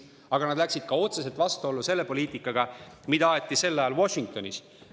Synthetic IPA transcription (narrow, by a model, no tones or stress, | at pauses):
ɑɡ̥ɑnɑd̪̥læksid̪̥kɑo̞t̪se̞s̬e̞lt̪vɑst̪uo̞lːuse̞lːe̞po̞lʲiːt̪ˑikːˑɑɡ̥ɑ | mid̪ɑɑet̪ˑːise̞lːɑjɑlwoʃiŋk̚t̪o̞nis